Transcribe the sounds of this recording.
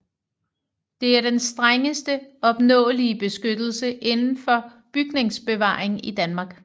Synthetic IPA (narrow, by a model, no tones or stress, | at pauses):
d̥e̝æɐd̥ensd̥ʁaŋəsd̥əɒ̽b̥nɔ̰̽ːliəb̥e̝sɡ̥ød̥l̩səʔe̝nn̩fɒ̽ | b̥yɡ̥ne̝ŋsb̥e̝ʋɑ̰̈ːeŋid̥ænmɑ̈ːɡ̥